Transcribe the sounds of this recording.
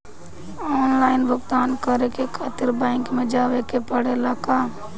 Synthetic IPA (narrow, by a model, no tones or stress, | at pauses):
ɔːnlaːɪnbʱʊɡt̪aːnkəɾekekʰaːt̪ɪɾbaɪ̃ŋkmẽd͡ʒaːʋekepəɽelaːka